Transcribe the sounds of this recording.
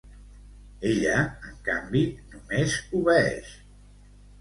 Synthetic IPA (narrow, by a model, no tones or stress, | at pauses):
eʎəəŋka̰mbinumezuβɛɛ̰ʃ